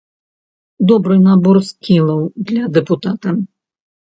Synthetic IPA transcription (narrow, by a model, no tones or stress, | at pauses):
d̪ɔbɾɨnabɔrskʲilˠɐwd̪lʲɐd̪ɛput̪at̪ɐ